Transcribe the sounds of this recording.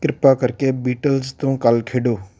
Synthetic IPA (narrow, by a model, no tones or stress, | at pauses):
kɾɪpaːkəɾkeːbiːʈəlzt̪õːkəlkʰeːɖoː